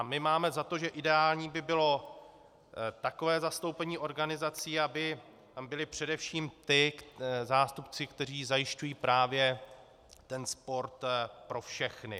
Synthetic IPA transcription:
amɪmaːmɛzat̪oʒɛʔɪdɛaːlɲiːbɪbɪlo̞ | t̪ako̞vɛːzast̪owpɛɲiːʔo̞ɾɡanɪzat͡siːabɪ | t̪ambɪlɪpr̝̥ɛdɛfʃiːmt̪ɪzaːst̪upt͡sɪkt̪ɛr̝iːzajɪʃcujiːpɾaːvjɛ | t̪ɛnspo̞ɾt̪pɾo̞fʃɛxnɪ̰

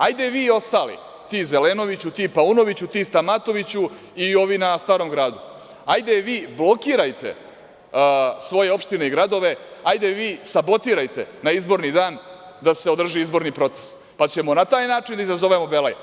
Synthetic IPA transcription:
ajd̪eʋiːo̞st̪aːlḭ | t̪iːze̞leːno̞ʋit͡ɕut̪iːpauno̞ʋit͡ɕut̪iːst̪amat̪o̞ʋit͡ɕu | io̞ʋinast̪aːɾo̞mɡɾaːd̪u | ajd̪eʋiːblˠo̞kiːɾajt̪e̞̰ | sʋo̞je̞o̞pʃt̪ineiɡɾad̪o̞ʋe̞ajd̪eʋiːsabo̞t̪iːɾajt̪e̞̰naizbo̞ɾnid̪aːn | d̪aseod̪r̩ʒiizbo̞ɾnipɾo̞t̪se̥s | pat͡ɕe̞mo̞nat̪aːjnaːʈ͡ʂind̪aizazo̞ʋemo̞belaj

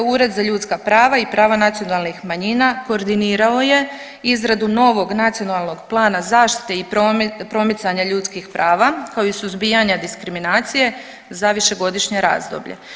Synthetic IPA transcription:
uɾe̞d̪zaʎuːt̪skapɾaːʋaipɾaːʋanat̪sijo̞nalnixmaɲinako̞ːɾd̪iniːɾao̞je̞ | izɾad̪uno̞ːʋo̞ɡnat̪sijo̞nalˠno̞ɡplˠaːnazaːʃt̪i̥t̪e̞ipopɾo̞mit̪saɲaʎuːt̪skixpɾʔaːʋakaoisuzbijaɲad̪iskɾiminaːt̪sije̞ | zaʋiʃe̞ɡo̞d̪iʃɲe̞ɾa̰ːzd̪o̰bʎḛ

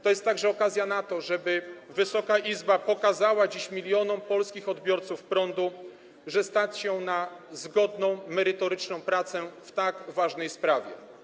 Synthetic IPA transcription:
t̪ɔjɛst̪ːaɡʐɛɔkazʲjanat̪ɔʐɛbɘvɘsɔkaʔizbapɔkazawad͡ʑiɕmʲilʲjɔnɔmpɔlskʲixɔd̪bʲjɔɾt̪sufpɾɔnd̪u | ʐɛst̪at͡ɕɕɛnazɡɔd̪nɔ̃w̃mɛɾɘt̪ɔɾɘt͡ʂnɔ̃w̃pɾat̪sɛft̪aɡvaʐnɛjspɾavʲjɛ̰

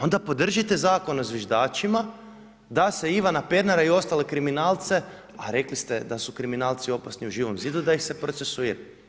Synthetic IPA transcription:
o̞nd̪apo̞d̪r̩ʒit̪e̞zaːko̞nozʋjeʒd̪aːt͡ʃima | d̪ase̞iʋanaped̪naɾaio̞st̪ale̞kɾiminaːlt̪se̞ | a̰ɾe̞klist̪ed̪asukɾiminaːlt̪sio̞pasniuʒiːʋo̞mziːd̪ud̪aixse̞pɾo̞t̪sesuiɾa

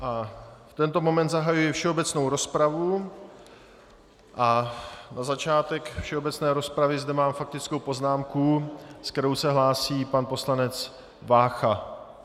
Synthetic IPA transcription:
ʔaft̪ɛnt̪o̞mo̞mɛnt̪zaɦajujɪfʃɛo̞bɛt͡sno̞wɾo̞spɾavu | ʔanazat͡ʃaːt̪ɛkfʃɛo̞bɛt͡snɛːɾo̞spɾavɪzd̪ɛmaːmfak̚t̪ɪt͡skowpo̞znaːmkusktɛɾo̞wsɛɦlaːsiːpanpo̞slanɛt͡s | vaːxa

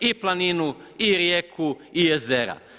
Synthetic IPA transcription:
iplˠaninuiɾjeːkʰuije̞zeɾa̰

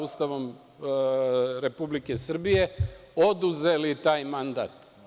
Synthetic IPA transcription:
ust̪aʋo̞m | ɾe̞publike̞sr̩bije̞o̞d̪uze̞lit̪aːjmand̪a̰ːt̪

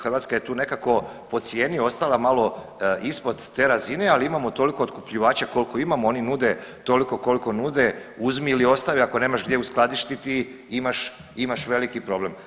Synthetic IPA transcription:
xrʋaːt̪skaje̞t̪uːne̞kako̞ | po̞t̪sje̞ːnio̞st̪alamalo̞ | ispo̞d̪ːe̞ːɾazinealiimamot̪o̞liko̞ot̪kupʎiʋaːt͡ɕako̞liko̞imamoo̞ninuːd̪et̪o̞liko̞ko̞liko̞nuːd̪euzmiilio̞st̪aʋiako̞ne̞ːmaʃɡd̪jeusklˠad̪iʃt̪it̪i | imaʃ | imaʃʋe̞likipɾo̞ble̞m

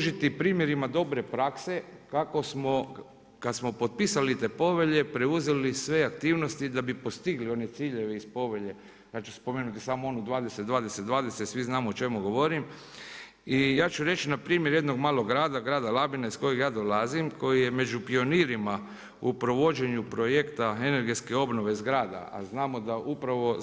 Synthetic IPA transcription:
uʒit̪ipɾiːmje̞ɾimad̪o̞bɾe̞pɾakse̞kako̞smo | kad̪smo̞po̞t̪̚piːsalit̪e̞po̞ʋe̞ʎe̞pɾeuze̞lisʋe̞akt̪iːʋno̞st̪id̪abipo̞st̪iɡlio̞ne̞t̪siːʎe̞ʋe̞ispo̞ʋe̞ʎe̞ | jaːt͡ʃu̥spo̞menut̪isaːmoo̞nud̪ʋaːd̪eset̪d̪ʋaːd̪esed̪ʋaːd̪e̞set̪sʋiznaːmoot͡ʃe̞muɡo̞ʋo̞ɾim | ijaːt͡ʃuɾe̞t͡ʃinapɾiːmjeɾje̞d̪no̞ɡmaːloɡɾaːd̪aɡɾaːd̪alabinaisko̞jeɡjaːd̪o̞lazimko̞jije̞me̞d͡ʒupio̞niɾima | upɾo̞ʋo̞d͡ʒe̞ɲupɾo̞je̞kt̪ae̞ne̞ɾɡe̞t̪ske̞o̞bno̞ʋe̞izɡɾaːd̪a̰a̰znaːmo̞d̪aʔupɾaʋo̞

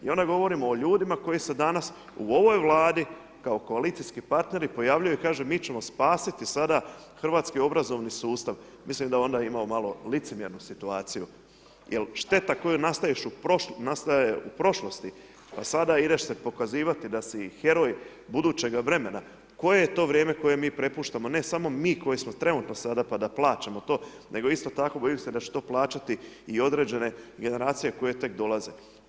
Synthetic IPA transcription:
ḭo̞nd̪aɡo̞ʋo̞ɾimoːʎuːd̪imako̞jise̞d̪anas | uo̞ʋo̞jʋlˠaːd̪i | kao̞ko̞alit̪sijskipaɾt̪ne̞ɾipo̞jaʋʎujuikaːʒemiːt͡ɕe̞mo̞spaːsit̪isad̪a | xr̩ʋaːt̪skio̞bɾazo̞ʋnisuːst̪aʋ | mislimd̪ao̞nd̪aimaomalˠo̞lit̪semje̞ɾnusit̪uaːt̪siju | jʔelʃt̪e̞t̪ako̞junast̪aiʃuponast̪ajeupɾo̞ʃlo̞st̪i | pasad̪aid̪eʃse̞po̞kaziːʋat̪id̪asixe̞ɾo̞j | bud̪uːt͡ɕe̞ɡaʋɾe̞me̞na | ko̞je̞jet̪o̞ːʋɾje̞ːme̞ko̞je̞miːpɾe̞puːʃt̪amo̞ne̞samo̞miːko̞jismo̞t̪ɾe̞nut̪no̞sad̪apad̪aplˠaːt͡ʃamo̞t̪o̞ːnʔe̞ɡo̞ist̪o̞t̪ako̞bo̞jimse̞d̪at͡ʃe̥t̪o̞ːplˠaːt͡ʃat̪iio̞d̪ɾe̞ːd͡ʑe̞ne̞ɡe̞ne̞ɾaːt̪sijeko̞je̞t̪e̞kd̪o̞lˠaze

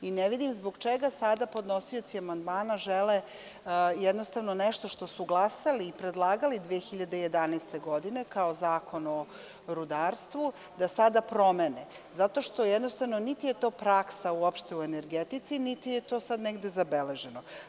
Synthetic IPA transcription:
ineʋid̪imzboɡt͡ʃeɡasad̪apo̞d̪no̞sio̞t̪siamand̪maːnaʒele | jɛd̪no̞st̪avnoneʃt̪o̞ʃt̪o̞suɡlˠasaliːpɾed̪lˠaːɡalid̪ʋeexiʎad̪ejed̪anɛst̪e̞ɡo̞d̪ine̞kao̞zaːko̞no̞ | ɾud̪aːɾst̪ʋu | d̪asad̪apɾo̞mene | zat̪o̞ʃt̪o̞jed̪nost̪aʋnonit̪ijet̪o̞ːpɾaksauopʃt̪e̞uene̞ɾɡet̪it̪sinit̪ijet̪o̞ːsad̪neɡd̪e̞zabele̞ʒe̞no

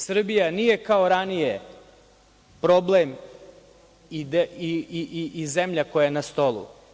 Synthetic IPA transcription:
sr̩bijanije̞kaoɾanije | pɾo̞blem | id̪iiiizemʎakojajenast̪o̞lˠṵ

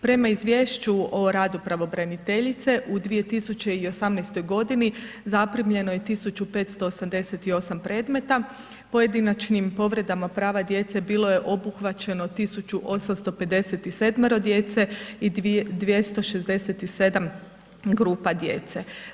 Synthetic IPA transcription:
pɾe̞maizʋʲje̞ːʃt͡ɕuo̞ɾaːd̪upɾaʋo̞bɾanit̪e̞ʎit̪se̞ʔud̪ʋije̞t̪isut͡ɕe̞io̞samnɛjst̪o̞jɡo̞d̪inizapɾimʎe̞no̞je̞t̪isut͡ɕupe̞t̪st̪o̞ːsamd̪e̞set̪io̞sampɾe̞ːd̪me̞t̪a | po̞je̞d̪inat͡ʃnimpo̞ʋɾe̞d̪amapɾaːʋad̪je̞t̪se̞biːlo̞je̞ʔo̞buxʋat͡ɕe̞no̞t̪isut͡ɕuʔo̞samst̪o̞pe̞d̪e̞set̪ise̞d̪meɾo̞d̪je̞ːt̪se̞id̪ʋje̞st̪o̞ʃe̞zd̪e̞set̪ise̞d̪am | ɡɾuːpad̪je̞̰ːt̪se̞

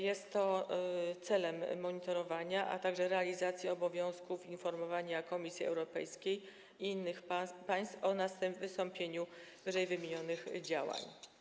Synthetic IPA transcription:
jɛst̪ːɔ | t̪sɛlɛmːɔɲit̪ɔɾɔvaɲaʔa̰t̪aɡʐɛɾɛalʲizat̪sʲjiɔbɔvʲjɔ̃w̃skufinfɔɾmɔvaɲakɔmʲisʲjiɛ̰wɾɔpɛ̰jskʲej | iinːɘxpapaj̃st̪fɔnast̪ɛvɘst̪ɔmpʲjeɲuvɘʐɛjvɘmʲeɲɔnɘxd͡ʑawa̰ɲ

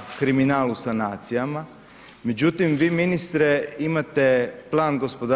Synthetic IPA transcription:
kɾiminaːlusanaːt̪sijama | me̞d͡ʑut̪imʋiːminist̪ɾeimat̪e̞plˠaːnɡo̞spo̞d̪a

